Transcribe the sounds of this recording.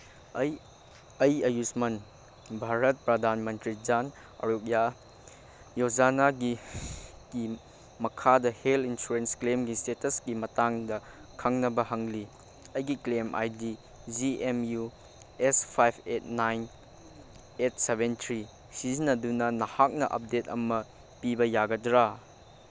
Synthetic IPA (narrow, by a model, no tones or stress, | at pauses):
j | ɐjɐjusmɐn | bʱaɾɐt̚pɾɐdʱanmɐntɾid͡ʒan | ɐ̰ɾuk̚ja | jozanaɡi | ɡ̥i | mɐkʰadɐhelinsuɾensklemɡistetɐsɡimɐtaŋdɐ | kʰɐŋnɐbɐɦɐŋli | ɐjɡiklemʔa̰jdi | d͡ʒiemju | espʰajpʰet̚najn | et̚sebentʰɾi | sizinɐdunɐnɐhak̚nɐʔɐ̰p̚detɐ̰mɐ | pibɐjaɡɐdɾa